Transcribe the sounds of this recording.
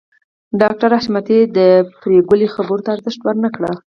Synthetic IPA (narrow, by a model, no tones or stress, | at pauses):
ɖɑk̚ʈaɾaʃmat̪ed̪əpɾeɡəlixabəɾt̪aːɾzəʃʈ̪wəɾnakɽə